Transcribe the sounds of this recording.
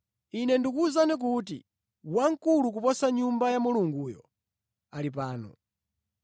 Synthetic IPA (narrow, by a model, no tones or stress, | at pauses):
inɛndikuzanik̬ut̬ḭ | waŋ̩kuluk̬upɔsaɲumbajamuluŋɡuːjɔ̰ | alip̬aːnɔ̰